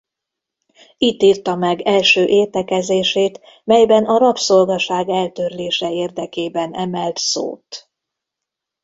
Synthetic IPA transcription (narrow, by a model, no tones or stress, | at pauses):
it̪ːiːrt̪ɒmɛɡɛlʃøːʔeːt̪ɛkɛzeːʃeːt̪ | mɛjbɛnɒɾɒpso̞lɡɒʃaːɡɛlt̪ørleːʃɛeːrd̪ɛkeːbɛnɛmɛlt̪so̰ːt̪